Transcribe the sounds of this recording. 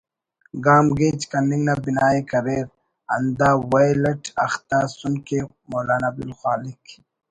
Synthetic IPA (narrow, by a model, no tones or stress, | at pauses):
ɡaːmɡeːt͡ʃkɐnːiŋɡnabinaːikɐɾeːɾ | ɐ̰nd̪aːwajlɐʈɐxt̪aːsunke | moːlaːnabilxwaːlik